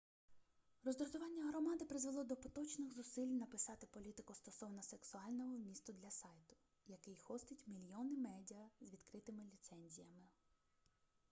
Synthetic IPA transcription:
rɔzd̪ɾɔzʊʋɑnʲːɐɦɾɔmɑd̪ɪpɾɪzʋelˠɔd̪ɔpɔt̪ɔt͡ʃnɪxzʊsilʲnɐpɪsɑt̪ɪpɔlʲit̪ɪkʊst̪ɔsɔwnɔseksʊɑlʲnɔɦɔwmʲist̪ʊd̪lʲɐsɑjt̪ʊ̥ | jɐkɪjxɔst̪ɪtʲmʲilʲjɔnɪmɛdʲiɐzʋʲid̪kɾɪt̪ɪmɪlʲit̪sɛnʲzʲijɐmɪ

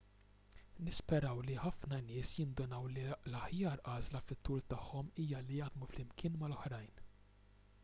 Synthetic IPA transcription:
nɪspɛɾɐwliħɐfnɐnɪːsjɪnd̪ɔnɐwlilɐħjɐːɾʔɐːzlɐfɪt̪ːuːlt̪ɐħːɔmiːjɐlijɐʔd̪muflɪmkʰɪːnmɐlɔħɾɐjn

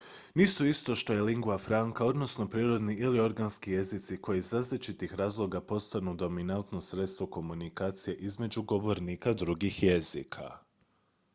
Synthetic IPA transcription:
niːsuist̪o̞ʃt̪o̞je̞liŋɡuafɾaŋkao̞d̪no̞sno̞pɾiːɾo̞d̪niʔilio̞ɾɡanskije̞zit̪siko̞jizɾaːzlit͡ʃit̪ixɾaːzlˠo̞ɡapo̞st̪anud̪o̞minant̪no̞sɾe̞t̪st̪ʋo̞ko̞munikaːt̪sije̞ʔizme̞d͡ʑuɡo̞ʋo̞ɾniːkad̪ɾuɡixje̞zḭkʰa̰

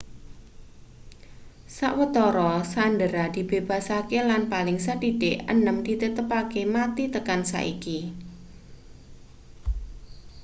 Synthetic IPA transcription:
sa̰ʔwət̪ɔɾɔsandəɾad̪̥i̤b̥eb̥a̤sakelanpalɪŋsaɖiɖ̥eʔənəmd̥it̪ət̪əpakemat̪it̪əkansa̰ʔḭki

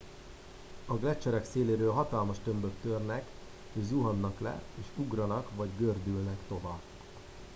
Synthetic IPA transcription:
ɒɡlɛt͡ʃːɛɾɛkseːleːɾøːlɦɒt̪ɒlmɒʃt̪ømbøkt̪ørnɛk | øzuɦɒnːɒklɛ̰eːʃuɡrɒnɒkʋɒɟɡørd̪ylnɛkt̪o̞vaːb

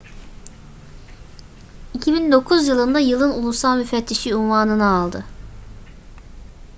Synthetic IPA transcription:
icʰibind̪o̞kʰuzjɯlˠɯnd̪ajɯlˠɯnulˠusalˠmyfɛt̪ʰːiʃiunvaːnɯnɯːlˠd̪ɯ

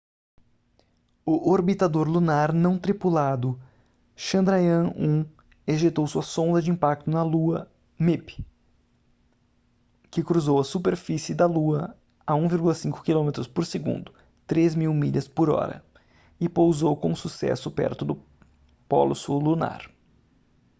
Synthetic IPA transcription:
ʊʔoɾbit̪ad̪oɾlunaɾnɐ̃w̃t̪ɾipulad̪ʊ | ʃɐ̃nd̪ɾajɐ̃ũ | eʒet̪owsuɐsõnd̪ɐd͡ʒɪĩpak̚t̪ʊnɐluɐ | mep | kɪkɾuzowɐsupeɾfisɪd̪ɐluɐ | ɐũviɾɡulɐsĩŋkʊ̥kilõmet̪ɾʊspoɾseɡṵ̃nd̪ʊ | t̪ɾezmiwmiʎɐspʊɾɔ̰ɾɐ̰ | ɪpowzowkõsusɛ̰sʊpɛ̰ɾt̪ʊd̪ʊ | pɔ̰lʊsuluna̰ɾ

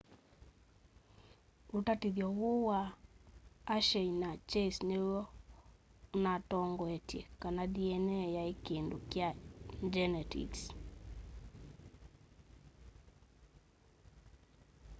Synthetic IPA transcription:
utatiðjɔɣowaː | ʃɛinat͡ʃɛisneɔ | natɔŋɡɔɛtjɛkanadiɛnɛjaekendokjaɲd͡ʒɛnɛtḭks

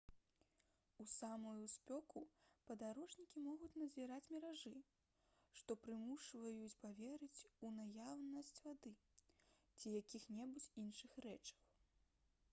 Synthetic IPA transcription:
usamɐjusʲpʲɔkupɐd̪aɾɔʐnʲikʲimɔɣut͡sʲnɐzʲiɾat͡sʲmʲɛɾaʐɨ | ʂt̪ɔpɾɨmuʂvɐjut͡sʲpavʲɛɾɨt͡sʲunajawnɐsʲt͡sʲvad̪ɨ | t͡sʲijakʲixnʲɛbut͡sʲinʂɨxrɛt͡ʂɐ̥w

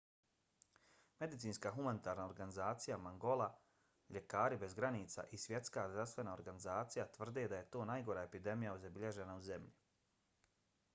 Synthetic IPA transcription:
me̞d̪it̪siːnskaːxumanit̪aːɾnao̞ɾɡanizaːt̪sijamaŋɡo̞lˠa | ʎe̞kaːɾibe̞zɡɾaniːt̪sa̰ʔisʋje̞t̪skaːzdɾafst̪ʋe̞naoɾɡanizaːt̪sijat̪ʋr̩d̪ed̪aje̞t̪o̞ːnajɡo̞ɾaepid̪e̞mijauzabiʎeʒe̞nauze̞mʎi

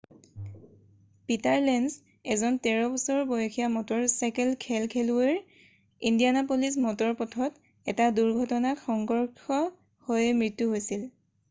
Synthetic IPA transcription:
pitaɹlɛns | ɛzɔntɛɹɔbɔsɔɹbojɔkʰijamɔtɔɹsakɛlkʰɛlkʰɛlueɹ | indijanapolis̬mɔtɔɹpɔtʰɔt | ɛtaduɹɡʱɔtɔnaxɔŋɡɔɹkʰɔ | hojɛmɹitːuɦojsil

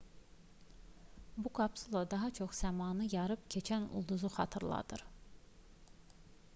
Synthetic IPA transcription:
buɡɑbsulˠɑd̪ɑɦɑt͡ʃʰo̞χsæmɑːnɯjɑɾɯpcʰe̞t͡ʃʰænṵlˠd̪uzuχɑ̰t̪ʰɯɾlˠɑ̰d̪̥ɯɾ

